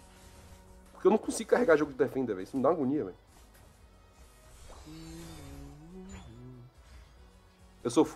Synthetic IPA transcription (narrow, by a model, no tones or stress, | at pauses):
po̥kewnɐ̃w̃kõsiɡʊkaɦeɡaʒoɡʊd͡ʒɪd̪efẽnd̪eɾvẽisnũd̪aw̃ɐɡũɲiɐmḛ̃ | ewsof